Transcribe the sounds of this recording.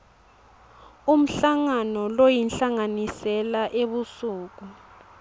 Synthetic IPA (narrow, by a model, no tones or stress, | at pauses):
um̩ɬaŋanɔlojinɬaŋanisɛlaʔeβusuːk̬u